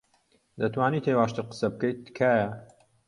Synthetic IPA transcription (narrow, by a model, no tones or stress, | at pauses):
d̪ɐt̪ʰwaːniːt̪ʰeːwaːʃt̪ɨqɨ̥sɐb̚kɐj̪kʰaːjɐ